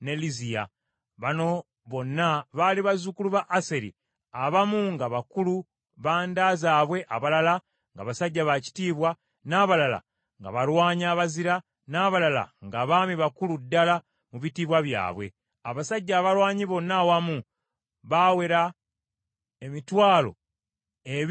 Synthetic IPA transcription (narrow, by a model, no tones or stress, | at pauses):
ne̞lizija | βano̞ | βo̞nːaβaliβazukuluβaʔːse̞ɾḭ | aβamuŋɡaβakulu | βaːndaːzaːβwe̞ʔaβalala | ŋɡa̰βasaɟːaβaci̥tiːβwa | naːβalala̰ | ŋɡa̰βalwaːɲaːβaziɾa | naːβalala̰ŋɡaβaːmiβakuludːala | muβitiːβwaβja̰ːβwe̞̰ | aβasaɟːaːβalwaːɲiβo̞nːawamu | βawe̞ɾa | emitwaːlo̞̰ | e